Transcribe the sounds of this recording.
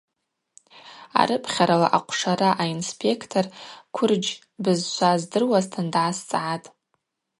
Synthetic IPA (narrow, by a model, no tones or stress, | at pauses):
a̰ɾɨpʰχʲaɾalaʔaqʷʰʂaɾaʔainspʰe̞kʰtʰorkʷʰʊrd͡ʒ | bɨzʃʷʰazdɨrwaztʰandʕast͡sʼʕatʼ